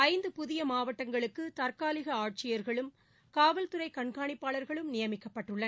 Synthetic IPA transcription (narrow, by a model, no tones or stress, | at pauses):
ɐɪnd̪ɯpʊðɪjɐmaːʋɐʈːɐŋɡɐɭɯkːɯt̪ɐɾkaːlɪɣɐaːʈ̚t͡ʃɪjɐɾɣɐɭɯm | kaːʋɐlt̪ɯɾɐɪkɐɳkaːɳɪpːaːɭɐɾɣɐɭɯmnɪjɐmɪkːɐpːɐʈːɯɭːɐ